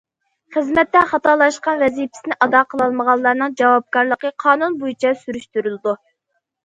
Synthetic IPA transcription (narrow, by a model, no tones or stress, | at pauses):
χəzmɛt̪ːɛχɑt̪ɑɾlˠɑʃqɑnvɛzipʰɪ̥sɪnɪʔɑd̪ɑqʰəlˠɑlˠməʁɑlˠːɑɾnɨŋd͡ʒɑwɑp̚kɑɾlˠəqəqʰɑːnunbojit͡ʃʰɛsyɾyʃt̪yɾylɨd̪u